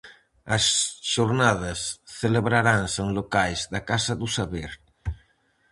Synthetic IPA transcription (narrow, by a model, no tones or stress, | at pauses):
ɐsʃoɾnað̞asθeleβɾaɾaŋsoŋlokajzðakasaðusaβeɾ